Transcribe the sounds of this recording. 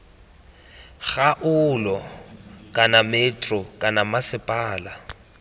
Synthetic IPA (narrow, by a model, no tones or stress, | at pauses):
ɣaʔʊlɔkʼanamɛtʼrɔkʼanamasɪpʼaːla